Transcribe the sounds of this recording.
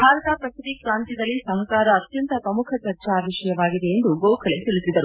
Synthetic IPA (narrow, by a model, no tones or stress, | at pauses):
bʱaːɾɐt̪apɾɐsʰit̪ikɾaːnt̪id̪ɐlːisɐɦɐkaːɾɐːt̪jɐnt̪ɐpɾɐmukʰɐt͡ʃɐɾt͡ʃaaːʋiʃɐjɐʋaːɡid̪e̞end̪uɡoːkʰɐlet̪ilisid̪ɐɾu